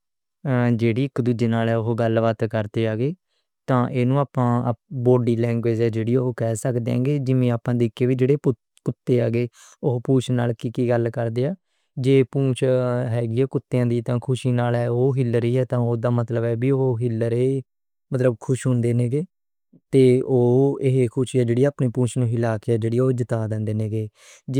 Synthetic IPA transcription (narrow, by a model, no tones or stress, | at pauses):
d͡ʒeːɽiːɪkːd̪ud͡ʒeːnaːlɛːʊɦoɡəlʋaːt̪kəɾt̪eːaːɡeː | t̪ãːʔeːnũːaːpãːboːɖiːlɛ̃ːŋɡʋeːd͡ʒɛːd͡ʒeːɽiːoɦokɛːsəkd̪ẽːŋɡeːd͡ʒɪʋẽːaːpãːd̪ɪːkːeːʋiːd͡ʒeːɽeːp | kʊt̪ːeːaːɡeː | ʊɦpuːt͡ʃʰnaːlkiːkiːɡəlkəɾd̪eːaː | d͡ʒeːpũːt͡ʃʰɦɛːɡiːɛːkʊt̪ːejãːd̪iːt̪ãːkʰʊʃiːnaːlɛːoːɦɪləɾiːɛːt̪ãːoːd̪aːmət̪ləbɛːbiːooɦɪlːəɾeː | mət̪ləbkʰʊʃɦʊ̃nd̪eːneːɡeː | t̪eːoːeɦekʰʊʃiːɛːd͡ʒeːɽiːaːpniːpũːt͡ʃʰnũːɪlaːkeɛːd͡ʒeːɽiːoːd͡ʒət̪aːd̪ɛ̃ːnd̪eːneːɡeː